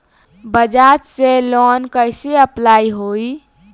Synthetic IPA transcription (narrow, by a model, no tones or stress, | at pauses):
bəd͡ʒad͡ʒselɔnkəjseəplaiɦoi